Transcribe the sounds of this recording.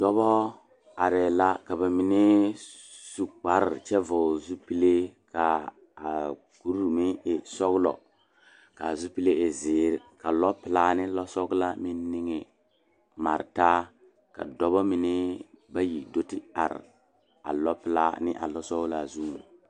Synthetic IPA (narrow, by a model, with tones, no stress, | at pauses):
d̥ɔ˦bɔ˦ | a˨ɾɛ˨la˦ka˨ba˨mi˨ni˦ | su˨k͡pa˨ɾt͡ʃɛ˦vo˨zu˦pi˦le˦ka˨ | a˨ | ku˦ɾmi˦ɪ˨sɔ˦ɡlɔ̰˨ | ka˨zu˦pi˦le˦ɪ˨zɪː˨˦ɾka˨lɔ˦pɪ˨la˦nɪ˦lɔ˦sɔ˦ɡla˦mi˦n˦ni˦ŋe˨ | ma˨ɾta˦ | ka̰˨dɔ˦bɔ˦mi˨nɪ˦ba˦ji˨do˦tɪ˦a̰˨ɾ̰ | a̰˨lɔ˦pɪ˨la̰˦nɪ̰˦ʔa̰˨lɔ˦sɔ˦ɡla˨zu˦˨